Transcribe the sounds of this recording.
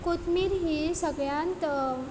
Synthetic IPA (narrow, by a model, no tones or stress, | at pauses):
kot̪miɾɦiːsəɡɭjant̪